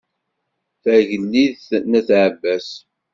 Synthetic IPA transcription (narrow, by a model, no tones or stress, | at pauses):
θæʝəlːiðθnæθʕəbːæs